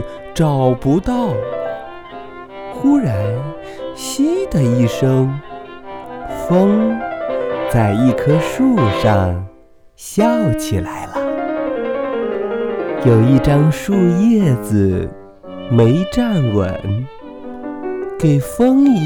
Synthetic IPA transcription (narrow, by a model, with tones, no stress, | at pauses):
ʈ͡ʂɑ˨˩ʊpu˧˥t̪ɑ˥˩ʊ | xu˥ɻa˧˥n | ɕi˥d̪ə˨i˥˩ʂɤ˥ŋ | fɤ˥ŋ | t͡sa˥˧ɪi˥˩kʰɤ˥ʂu˥˧ʂɑ˥˧ŋ | ɕjɑ˥˩ʊt͡ɕʰi˨˩la˧˥ɪlə˨ | jo˨˩ʊi˥˩ʈ͡ʂɑ˥ŋʂu˥˧jɛ˥˩t͡s̩˨˩ | me˧˥ɪʈ͡ʂa˥˩nwə̰˨˩˦n | ke˨˩ɪfɤ˥ŋ˧